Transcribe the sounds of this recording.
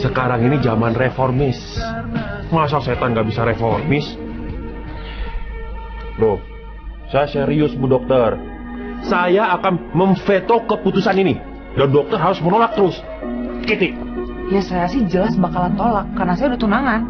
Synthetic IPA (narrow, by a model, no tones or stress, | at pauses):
səkaɾaŋinid͡ʒamanreformɪs | mas̬alset̪anɡaʔbisaɾefɔrmɪs | dɔh | sajasəɾiʊsbudɔk̚t̪ər | sajaːkanməɱfet̪okəput̪usanini | dandɔk̚t̪ərɦaɾʊsmənolak̚t̪əɾʊs | kit̪ɪʔ | jasajasɪd͡ʒəlasbakalant̪olakːarnasajadut̪unaŋan